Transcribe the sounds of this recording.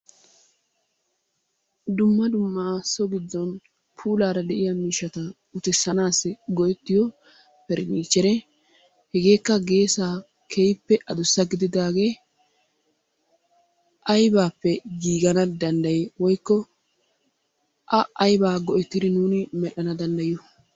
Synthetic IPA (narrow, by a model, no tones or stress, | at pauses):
d̪ʊmːɐd̪ʊmːaːsɔɡɪd̪ːɔn | pʰuːlaːɾɐd̪ɛʔɪjɐmiːʃːɐt̪ɐ | ʊt̪ɛsːɐnaːsɪɡɔjɛt̪ːɪjɔ | pɛɾniːt͡ʃːɛɾɛ | hɛɡe̞ːkːɐɡe̞ːsaː | kʰejpːɛʔɐd̪ʊsːɐɡɪd̪ɪd̪aːɡe̞ː | ʔɐjbaːpːɛɡiːɡɐnɐd̪ɐnd̪ɐjwɔjkːɔ | ʔɐʔɐjbaːɡɔʔɛt̪ːɪd̪ɪnuːnɪmɛʔɐnɐd̪ɐnd̪ɐjʊ